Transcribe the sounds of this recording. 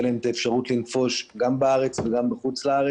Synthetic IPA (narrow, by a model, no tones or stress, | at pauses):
leemt̪aefʃaʁut̪linfo̞ʃɡambaaʁe̞t͡sveɡambeχut͡slaaʁe